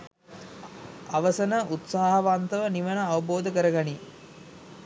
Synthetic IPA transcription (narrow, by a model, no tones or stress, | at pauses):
aʋəsənəʔut̪saːɦɐʋant̪əʋəniʋənəaʋɐboːd̪əkəɾəɡani